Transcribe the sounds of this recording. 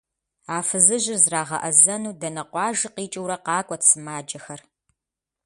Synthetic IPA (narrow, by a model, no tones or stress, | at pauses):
aːfɨzɨʒɪrzraːʁɐ̰ʔɐzɐnuːdɐnɐqʷɑːʒɨqiːt͡ʃʼɪwɾɐqɑːkʷʼɔtsɨmaːd͡ʒʼɐxɐr